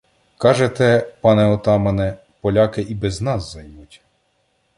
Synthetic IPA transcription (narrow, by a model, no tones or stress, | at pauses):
kɑʒet̪ɛpɑnɛɔt̪ɑmɐnɛ | pɔlʲɑkɪʔibɛznɑzːɐjmutʲ